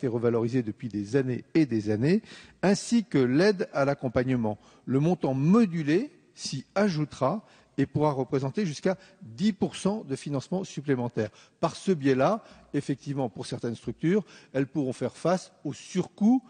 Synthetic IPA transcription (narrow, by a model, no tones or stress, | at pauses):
t̪eʁəvalɔʁized̪əpɥid̪ezaneːd̪ezaneɛ̃sikəlɛd̪alakɔ̃paɲəmɑ̃ | ləmɔ̃t̪ɑ̃mɔd̪yle | siaʒut̪ʁa | epuʁaʁəpχezɑ̃t̪eʒyska | d̪ipuʁsɑ̃d̪əfinɑ̃smɑ̃syplemɑ̃t̪ɛːʁ | paʁsəbjɛla | efɛk̚t̪ivmɑ̃puʁsɛʁt̪ɛnst̪χyk̚t̪yːʁɛlpuʁɔ̃fɛʁfasosyʁku